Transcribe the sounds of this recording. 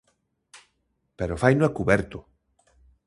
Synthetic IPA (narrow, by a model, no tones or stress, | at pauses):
peɾofajnõakuβɛɾt̪ʊ